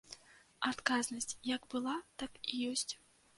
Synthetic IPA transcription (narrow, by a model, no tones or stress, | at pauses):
at̪kaznɐsʲt͡sʲjɐɡbɨlˠat̪akijɔsʲt͡sʲ